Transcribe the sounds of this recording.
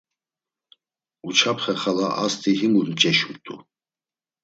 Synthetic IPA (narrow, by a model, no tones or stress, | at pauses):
ut͡ʃʰapʰχɛχalaʔa̰st̪ʰʼiɦimuɾmt͡ʃʼɛʃumt̪ʼṵ